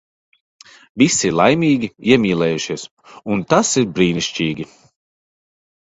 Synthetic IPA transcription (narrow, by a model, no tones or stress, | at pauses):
visilˠajmʲiːɡʲiiɛmʲiːlˠɛːjuʃiɛs | unt̪asiɾbɾiːniʃt͡ʃiːɡʲi